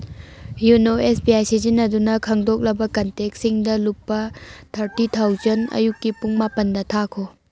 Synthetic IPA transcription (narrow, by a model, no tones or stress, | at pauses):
junoesbiajsizinɐdunɐkʰɐŋdok̚lɐbɐkɐntek̚siŋdɐlupːɐtʰɐɾtit̪ʰawzɐnɐ̰jukːipuŋmapɐndɐtʰakʰo